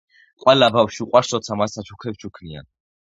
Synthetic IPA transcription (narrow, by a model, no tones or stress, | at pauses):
qʼwɛlabafʃiuqʼwaɾsɾɔt̪sʰamasːat͡ʃʰukʰɛpt͡ʃʰukʰnia̰n